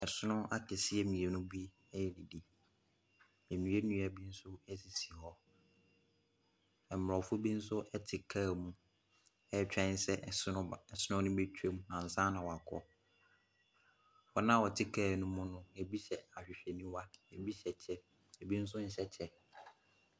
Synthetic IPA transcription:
ɛ˨sʊ˦nʊ̃˦a˦tʰɪ˨sɪ˦ɛ˨mĩ˨e˨nʊ̃˦bi˦ | ɛ˦jɛ˦ni˨di˦ | e˨mĩ˨e˦nũ˦a˨bi˦n̩˦sʊ˦ɛ˦si˨si˨hɔ˦ | ɛ˨m˨ɾɔ˨fʊ˦bi˦n̩˦sʊ˦ʔɛ˦tʰɪ˨kʰaː˦˨mũ˨ | ɛ˦˨t͡ɕᶣɛ̃˦n˦sɛ˦˨˦sɪ˦nʊ̃˦nʊ̃˦be˦t͡ɕʰᶣe˦m̃˨nã˨n̩˨sã˦nã˨wɔ˨a˨kʰɔ̰˦ | wɔ˨nã˦wɔ˨tʰɪ˦kʰaː˦˨nʊ̃˦mʊ̃˦nʊ̃˦e˨bi˦ɕɛ˨a˨ɕᶣɪ˨ɕᶣɛ˨nĩ˦wa˦e˨bi˦ɕɛ˨t͡ɕʰɛ˦ | e˨bi˦n̩˦s̬ʊ˦n̩˨ɕɛ˦t͡ɕʰɛ˦

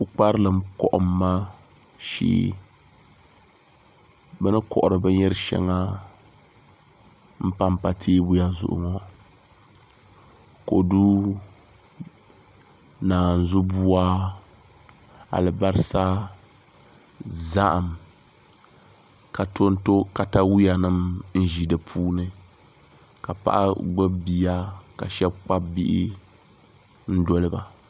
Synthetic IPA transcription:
u˦k͡pa˦ɾɨ˦lɨ˨mkɔ̰˦ʔʊ˨mː˦a˦ | ʃḭː˦ | bɛ˦nɨ˦kɔ̰˨ʔʊ˨ɾɨ˨bɛ˦ɲɛ˦ɾɨ˦ʃɛ̰˦ŋa˦ | m̩˦pa˦mpa˨tʰeː˦bu˦ja˦zʊ̰˨ʔʊ̰˨ŋɔ˦ | ko˨du˦ | naː˨n̩˨zʊ˦bu˦a˦ | a̰˨lɨ˨ba˦ɾɨ˦sa˦ | za˦ʔa˨m | ka˨to˦n˦to˦ka˨ta˦wi˦ja˨nɨ˦mn̩˦ʒi˨dɨ˨pʰuː˦nɨ˦ | ka˨pa̰˦˨ʔa̰˦ɡ͡bɨ˦bi˦ja˦ka̰˨ʃɛ˦bk͡pa˦bi˦ʔi˦ | n̩˦do˦lɨ˦ba̰˨

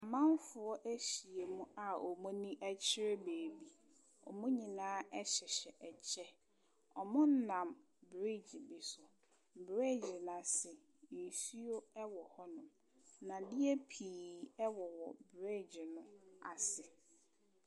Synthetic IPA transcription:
a˨mã˦m˦fʊ˨ɔ˦ʔæ˦ɕi˨e˨mũ˦a˨o˨mũ˦nĩ˦ʔæ˦t͡ɕʰɪ˦ɾɪ˦beː˨bi˦ | ɔ̰˨mũ˦ɲĩ˨nãː˦ʔɛ˦ɕɪ˨ɕɛ˨ʔɛ˨d͡ʑʰɛ˦ | ɔ˨mʊ̃˦n̩˦nã˨m | bɾi˦d͡ʑbi˨sʊ˨ | bɾe˦˨d͡ʑɪ˨na˨sɪ˨ | n̩˨su˦o˦ɛ˦wɔ˨hɔ˦nʊ̃˨ | nã˨dɪ˦ɛ˦pʰiː˨ɛ˦wɔ˨wɔ˨bɾe˦˨d͡ʑɪ˨nʊ̃˦a˨sɪ˨

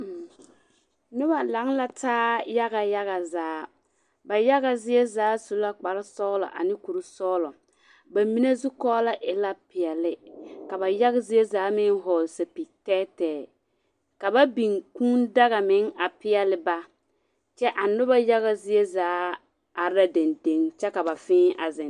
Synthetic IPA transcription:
nʊ˦ba˨la˨˦ŋla˦taː˦ja˦ɣa˨ja˦ɣa˨zaː˨˦ | ba˨ja˦ɣa˨zɪ˦e˦zaː˨˦su˨la˦k͡pa˨ɾɪ˦sɔː˦lɔ̰˨ʔa̰˨nɪ˦ku˨ɾɪ˦sɔː˦lɔ˨ | ba˨mi˦ne˦zu˦kɔː˦la˦ʔɪ˨la˦pɪ˨ɛ˨lɪ˨ka˨ba˨ja˦ɣɪ˦zɪ˦e˦zaː˨˦mɪ˦ŋɦɔ˨lsa˨pi˨tɛː˦tɛː˨ | ka˨ba˦bi˨ŋkũː˦nda˦ɣa˨mɪ˨˦ŋa˨pɪ˦ɛ˨lɪ˦ba˦ | t͡ʃɛ˦ʔa˨nʊ˦ba˦ja˦ɣa˨zɪ˦e˦zaː˨˦ | a˨ɾa˦de˨nde˦ŋt͡ʃɛ˦ka˨ba˨fɪ̃ː˦a˨zɪ˨n

